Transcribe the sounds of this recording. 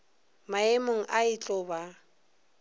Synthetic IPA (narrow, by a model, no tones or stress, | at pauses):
maemoŋ̩ʔaɪt͡ɬʼɔba